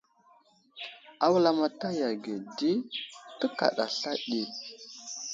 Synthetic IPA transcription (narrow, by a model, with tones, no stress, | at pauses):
a˦wla˦ma˨ta˦ja˨ɡe˨di˦tə˦ka̰˨ɗa̰˨ɬa˦ɗi˦